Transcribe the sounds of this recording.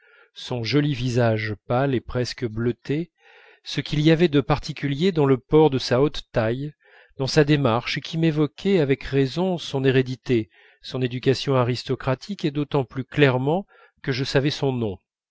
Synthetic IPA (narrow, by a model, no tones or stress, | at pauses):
sɔ̃ʒɔlivizaʒpalepχɛskəblət̪e | səkʲʰiliavɛd̪əpaʁt̪ikʲyljed̪ɑ̃ləpɔʁd̪əsaot̪ːaj | d̪ɑ̃sad̪emaʁʃkʲʰimevɔkʲʰɛavɛkʁezɔ̃sɔ̃neʁed̪it̪e | sɔ̃ned̪ykasjɔ̃aʁist̪ɔkχat̪ʰiked̪ot̪ɑ̃plyklɛʁmɑ̃ | kəʒəsavɛsɔ̃nɔ̃